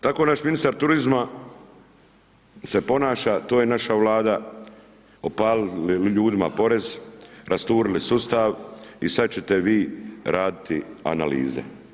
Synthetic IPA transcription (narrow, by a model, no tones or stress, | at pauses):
t̪ako̞naʃminist̪aɾt̪uɾizma | se̞po̞naːʃat̪oːjenaʃaʋlˠaːd̪a | opaːliliʎuːd̪imapo̞ɾe̞zɾʔast̪uːɾilisust̪aʋisat̪̚t͡ɕe̞t̪eʋiːɾʔaːd̪it̪ia̰na̰lḭːzḛ